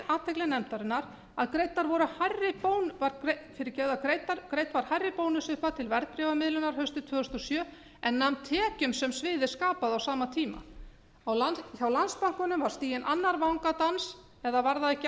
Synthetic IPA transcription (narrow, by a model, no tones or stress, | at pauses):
aːt̪ʰɛklɪnɛmt̪aɾɪnːaɾ | aðkɾejt̪aɾvɔɾʏhajrːɪpoːwnvaɾkɾefɪɾɪɾcɛɣðakɾejt̪aɾkɾejt̪vaɾ̥hajrːɪpoːwnʏsʏhpat̪ʰɪlvɛɾt̪̚pɾɛvamɪðlʏnaɾ̥hœɥst̪ʏt̪ʰv̥œːʏst̪ɔsjœː | ɛnːamt̪ʰɛːcʏmsɛmsvɪːðɪ̥skaːpaðawsaːmat̪ʰiːma̰ | awlçawlanspaŋ̥kʏnʏmvaɾ̥st̪iːjɛnʔanːaɾvawŋkat̪ans | ɛðavaɾðaðɛhc